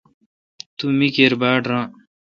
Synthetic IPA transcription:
t̪umikeɾbaːʈɾãː

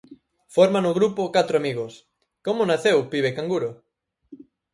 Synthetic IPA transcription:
foɾmanʊɣɾupokat̪ɾoamiɣos | komonaθewpiβekaŋɡuɾo

